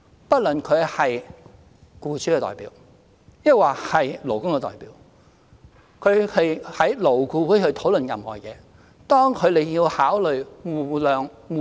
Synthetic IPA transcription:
pɐ˥t̚lɵ˨nkʰɵ˨˧ɥhɐ˨j | kuː˧t͡sʰy˥kɛ˧t̪ɔ̰ː˨˩jpḭː˨˥w | jɐ˥k̚waː˨˩hɐ˨jlo˨˩wkʊ˥ŋkɛː˧t̪ɔ̰ː˨˩jpḭː˨˥w | kʰɵ˨˧ɥhɐ˨jhɐ˨˥jlo˨˩wkuː˧wuː˨˥hɵ˧t̪ʰo˨˥wlɵ˨njɐ˨mhɔː˨˩jɛ̰ː˨˧ | t̪ɔː˥ŋkʰɵ˨˧ɥle˨˧jjiː˧whaː˨˥wlɵ˨ɥwuː˨˩lœː˨ŋ | wuː˨

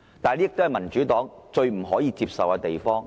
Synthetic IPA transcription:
t̪aː˨nli˥˨˧kt̪o˥hɐ˨jmɐ˨˩nt͡ʃyː˨˥t̪ɔː˨˥ŋt͡ʃɵ˧ɥm̩˨˩ɦɔː˨˥jiː˧t͡siː˧p̚sɐ˨waː˧t̪e˨jfɔː˥ŋ

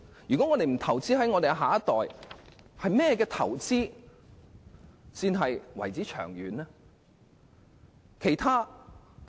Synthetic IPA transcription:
jy˨kɔː˨˥ŋɔː˨˧t̪e˨jm̩˨˩t̪ʰɐ˨˩wt͡siː˥hɐ˨˥jŋɔː˧e˨jɦaː˨ɐ˥t̪ɔː˨j | hɐ˨jmɛː˥jɛː˧k̬ɛː˧t̪ʰɐ̰˨˩wt͡siː˥ | siː˧nɦɐ˨jwɐ̰˨˩jt͡siː˨˥t͡ʃʰœ̰ː˨˩ŋɥy̰ː˨˥nlɛː˥ | kʰe˨˩jt̪ʰaː˥

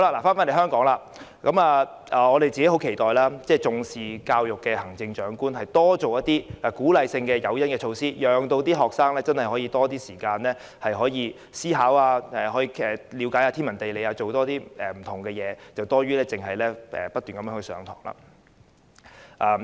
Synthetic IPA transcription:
ho˥wla˧laː˨˩faː˥nfa˥nle˨˩ɦœː˥ŋkɔː˨˥ŋlaː˧˨ | kɐ˨˥maː˧ | ʔaː˨ɔː˨˧ɾe˨jt͡siː˨ke˨˥ho˨˥wkʰe˨˩jt̪ɔː˨jlaː˥t͡sɛː˥˩t͡sʊ˨˧ŋsiː˨kaː˧wjʊ˨kːɛ˧hɐ˨˩ŋt͡sɪ˧ŋt͡ʃœː˨˥ŋkuː˥nɦɐ˨jt̪ɔː˥t͡so˨wjɐ˥t̪iː˥la˨˩kuː˨˥lɐ˨jsɪ˧ŋkɛː˧jɐ˨˧wjɐ˥nkɛː˧t͡ʃʰo˧wsiː˥jœː˨ŋt̪o˧wt̪iː˥ɦɔː˨˩k̚saː˥ŋlɛː˥t͡sɐ˥nhɐ˨˩jhɔː˨˥jiː˧t̪ɔː˥t̪iː˥siː˨˩kaː˧nlɛː˥ | hɐ˨jɦɔː˨˥jiː˧ | siː˥ɦaː˨˥waː˧ɛː˨hɔː˨˥jiː˧ɛ˨liː˨˥wkaː˨˥jaː˧t̪ʰiː˥mɐ˨˩nt̪e˨jle˨˧jaː˧t͡so˨wt̪ɔː˥t̪iː˥ɛ˨m̩˨˩t̪ʰʊ˨˩ŋkɛː˧jɛː˨˧t͡sɐ˨wt̪ɔː˥ɥyː˥lɛː˥t͡sɪ˨˩ŋɦɐ˨jlɛː˥ɛ̰ː˨˩pɐ˥t̪̚ːy˨nkɐ˨˦mjœː˨˥hɵ˧˩sœ̰ː˨˧ŋt̪ʰɔ̰ː˨˩ŋla̰ː˨ | ʔaː˨

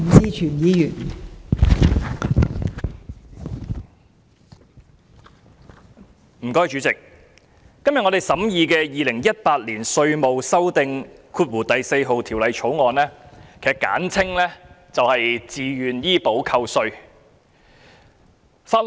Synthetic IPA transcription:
t͡siː˥t͡ʃʰyː˨˩njiː˨˧jyː˨˩n | m̩˨˩kɔː˥jt͡ʃyː˨˧t͡sɪ˨k̚ː | ɐ˥mjɐ˨t̚ŋɔ˨˧ɾe˨˩jsɐ˨˥mjiː˨˧kɛː˧jiː˨˧lɪ˨˩ŋjɐ˥t̚paː˧t̚liː˨˩nsɵ˧ɥmo˨wsɐ˥wt̪ɪ˧ŋkʰuː˧t̚wuː˨˩t̪ɐ˨jse˧jɦo˨wt̪ʰi˨˩wlɐ˨˧jt͡ʃʰo˨˥wŋɔː˨nlɛː˥kʰe˨˩kːa̰ː˨˥nt͡sʰɪ˥ŋlɛː˥ | t͡sɐ˨whɐ˨jt͡siː˨jyː˨njiː˥po˨˥wkʰɐ˧wsɵ˧ɥ | faː˧t̚

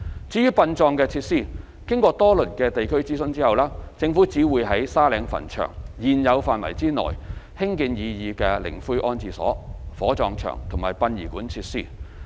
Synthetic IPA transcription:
t͡siː˨˥jyː˥pɐ˧nt͡ʃɔː˧ŋkɛː˧t͡sʰiː˧t̚siː˥˩ | kɪ˥ŋkɔː˧t̪ɔː˥lɵ˨˩nkɛː˧t̪e˨jkʰɵ˥ɥt͡siː˥sɵ˧nt͡siː˥hɐ˨wlaː˥t͡sɪ˧ŋfuː˨˥t͡siː˨˥wuː˨˧jɦɐ˨˥jsaː˥lɛː˨˧ŋfɐ̰˨˩nt͡ʃʰœ̰ː˨˩ŋjiː˨˩njɐ˨˧wfaː˨nwɐ̰˨˩jt͡siː˥nɔ̰ː˨˩jhɪ˥ŋki˧njiː˨˧jiː˧kɛː˧lɪ̰˨˩ŋfu˥jʔɔː˥nt͡siː˨sɔ̰ː˨˥fɔː˨˥t͡ʃɔː˧ŋt͡ʃʰœ̰ː˨˩ŋt̪ʰʊ˨˩ŋmaː˨˩jpɐ˧njiː˨˩kuː˨˥nt͡sʰiː˧t̚siː˥

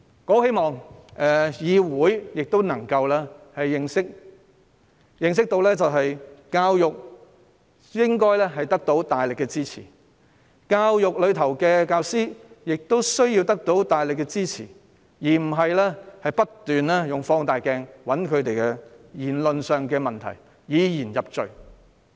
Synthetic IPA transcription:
kɔː˨˥he˥jmɔː˨ŋʔɛ˨jiː˨˧wuː˨˥jjɪ˨k̚t̪o˥wnɐ˨˩ŋkɐ˧wlɛ˥hɐ˨jːɪ˨˧ŋsɪ˥k̚ | jɪ˨ŋs̬ɪ˥k̚t̪o˧wlɛː˥t͡sɐ˨wɦɐ˨jkaː˧wjʊ˨k̚ | jɪ˥ŋkɔː˥jlɛː˥ɦɐ˨jt̪ɐ˥k̚t̪o˨˥wt̪aː˨jlɪ˨kːɛ˧t͡siː˥t͡sʰḭː˨˩ | kaː˧wjʊ˨k̚lɵ˨˧ɥt̪ʰɐ˨˩wkɛː˧kaː˧wsiː˥jɪ˨k̚t̪o˥wsɵ˥ɥji˧wt̪ɐ˥k̚t̪o˨˥wt̪aː˨jlɪ˨kːɛ˧t͡siː˥t͡sʰḭː˨˩ | jiː˨˩m̩˨˩ɦɐ˨jlɛː˥hɐ˨jpɐ˥t̪ːyː˨nlɛː˥jʊ˨ŋfɔː˧ŋt̪aː˨jkɛː˧ŋwɐ˨˥nkʰɵ˨˧ɥt̪e˨jkɛ˧jiː˨˩nlɵ˨nsœː˨ŋkɛː˧mɐ˨nt̪ʰɐ̰˨˩j | jiː˨˧jiː˨˩njɐ˨p̚t͡ʃɵ̰˨ɥ

